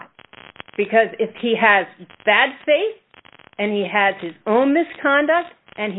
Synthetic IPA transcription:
t̚b̥ɨkʰʌzɪfhiɨzb̥æd̥feɪθ | ɨ̃niɨz̥ɨzõʊ̃nmɪskʰɑ̃ndək̚t̚ | ʔɨ̃n

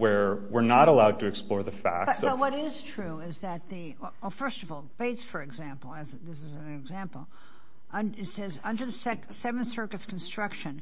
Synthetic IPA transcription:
wə˞wɪɹnəɾəlaʊd̚tʰɨɨksplɔɹðɨfæ̰ksbʌwʌɾɪz̥tʰɹ̥ʉɪzðɨt̪̚ðiwɛwɛlˠfɜ˞stʌvɔlˠb̥eɪtsfə˞ɨɡzæ̃mpl̩ˠɨzðɪsɨznɨɡzæ̃mpl̩ˠ | ʔʌ̃nɪtsɛzʌ̃ndə˞ðɨsɛk | sɛṽnsɜ˞ɡɨtskʰn̩stɹ̥ʌkʃɨ̃n

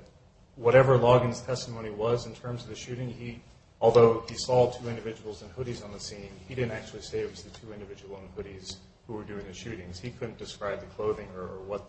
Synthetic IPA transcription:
wʌɾɛvə˞lɔɡɨ̃nz̥tʰɛstəmõʊ̃ñiwʌzɨ̃n̩tʰɜ̃˞mzʌvðɨʃʉɾɪ̃ŋi | ɔlˠðoʊisɔtʰʉɪ̃ndɨvɪd͡ʒəwl̩ˠzə̃nhʊɾizn̩ðɨsĩnidɪdⁿn̩tæk̚t͡ʃʉl̩ˠiseɪɨwʌzðɨtʰʉɪ̃ndɨvɪd͡ʒəwl̩ˠə̃nhʊɾiz̥ | huwə˞dʉɪ̃ŋðɨʃʉɾɪ̃ŋz̥hikʰʊdⁿn̩d̥ɨskɹaɪb̚ðɨkʰl̥oʊðɪ̃ŋə˞ʔə˞wʌt̪̚

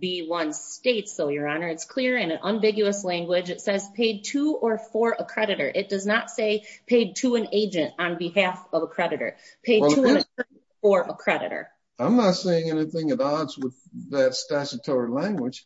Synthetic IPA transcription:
biwʌ̃nsteɪtsoʊjə˞ɑnə˞ɨtskʰl̥ɪɹɨ̃nɨ̃nʔə̃ɱvɪɡjʉəslæ̃ŋɡwɪd͡ʒɨtsɛz̥pʰeɪd̚tʰuə˞fə˞ʔəkʰɹ̥ɛɾɨɾə̰˞ʔɨt̚d̥ʌznətseɪpʰeɪd̚tʰɨɨ̃neɪd͡ʒɨ̃ntn̩bɨhæfʌvəkʰɹ̥ɛɾɨɾə̰˞ | pʰeɪɛtʰuɨ̃nɨ | fə˞ʔəkʰɹ̥ɛɾɨ̰ɾə̰˞ | ãɪ̃mnətseɪɪ̃ŋɛniθɪ̃ŋɨ̃ɾɑdzwɪðɨtstæʃɨtʰɔɹilæ̃ŋɡwɨd̥ʒ̥

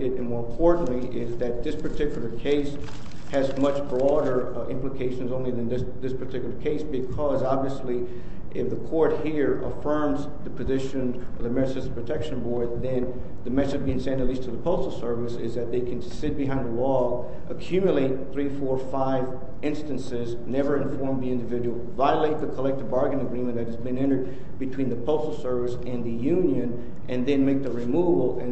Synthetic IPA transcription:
ɨɾɨ̃nmɔɹə̃mpʰɔɹʔn̩liʔɪzðɨt̪̚ðɪspʰə˞tʰɪkjl̩ˠə˞kʰeɪs | hɨzmʌt͡ʃbɹɔɾə˞ | ɪ̰̃mpləkʰeɪʃɨ̃nzõʊ̃nliðɨ̃nðɪsðɪspʰə˞tʰɪkjl̩ˠə˞kʰeɪsb̥ɨkʰʌzɑbviɨsli | ʔɪfðɨkʰɔɹt̚hiɹə̰fɜ̃˞mz | ðɨpʰɨzɪʃɨ̃n | ʌvðɨmɛnɨsɨ̃sə̥pʰɹ̥ɨtʰɛkʃɨ̃nbɔɹd̪̚ðɨ̃n | ðɨmɛsɨbiɪ̃ŋsɛ̃ndɨtˡlistʰɨðəpʰoʊstl̩ˠsɜ˞vɨsɪzðɨt̪̚ðeɪkʰɨ̃n̩sɪt̚b̥ɨɦãɪ̃nðəlɔ | ʔəkʰj̥ʉmjəleɪt̪̚θɹifɔɹfaɪv | ɪ̃nstɨ̃nsɪz | nɛvə˞ɨ̃ɱfɔɹmðiɪ̃ndɨvɪd͡ʒɨwl̩ˠvaɪəleɪt̪̚ðɨkʰəlɛk̚tɨvbɑɹɡɨ̃nɨɡɹĩmɨ̃nðɨt̚hɨzbɨ̃nɛ̃ɾ̃ə˞d̚ | bɨtʰw̥ĩnðɨpʰoʊstl̩ˠsɜ˞vɨsɨ̃nðɨjʉ̃njɨ̃n | ʔɨ̃nðɨ̃nmeɪk̚ðɨɹimuvl̩ˠɨ̃

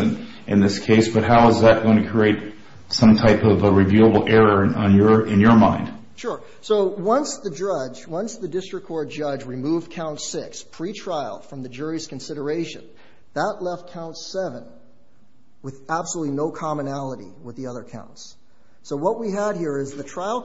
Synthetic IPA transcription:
ɨ̃n | ʔɨ̃nðɪskʰeɪsb̥ʌt̚ɦaʊəzðɨt̚ɡ̥õʊ̃nɨkʰɹ̥ieɪt̚ | sʌ̃mtʰaɪpʌvəɹivjulˠəbl̩ˠʔɛɹə̃˞njə˞ɨ̃njə˞mã̰ɪ̃nd̥ | ʃʊɹ | soʊwʌ̃nsðɨd͡ʒʌd͡ʒwʌ̃nsðɨdɪstɹ̥ɨkʰːɔɹd̚d͡ʒʌd͡ʒɹimuvkʰãʊ̃ntsɪkspʰɹ̥itʰɹ̥aɪl̩ˠfɹʌ̃mðɨd͡ʒʊɹiz̥kn̩sɪɾə˞eɪʃɨ̰̃n | ðətˡlɛft̚kʰãʊ̃ntsɛvə̃n | wɨðæb̥səlutˡlinoʊkʰɑmɨnælˠəɾḭwəðiʌðə˞kʰã̰ʊ̃ntsː | oʊwʌt̚wiəd̚hiɹɪzðɨtʰɹ̥aɪl̩ˠ

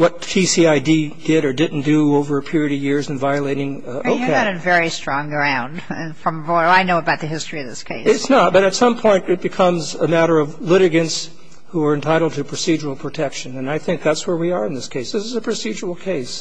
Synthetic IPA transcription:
wʌt̚pʰisiaɪdid̥ɪɾə˞dɪdⁿn̩d̥ɨoʊvə˞ɨpʰɪɹiɨɾʌvjɪɹzɨ̃nvaɪɨleɪɾɪ̃ŋ | oʊkʰɨɾɨ̃nvɛɹistɹ̥ɔ̃ŋɡɹãʊ̃nd̥fɹʌ̃maɪnoʊəbaʊt̪̚ðɨɦɪstɹ̥iʌvðɪskʰeɪsɪtsnət̚b̥ʌɾɨtsʌ̃mpʰɔ̃ɪ̃ntɨt̚b̥ɨkʰʌ̃mzəmæɾə˞ʌvlɪɾɨɡɨ̃nts | huə˞ɨ̃ntʰaɪɾl̩ˠd̚tʰɨpʰɹ̥ɨsid͡ʒə˞l̩ˠpʰɹ̥ɨtʰɛkʃɨ̃nɨ̃naɪθɪ̃ŋk̚ðætswə˞wiə˞ɨ̃nðɪskʰeɪsðɪsɨzəpʰɹ̥ɨsid͡ʒə˞l̩ˠkʰeɪs

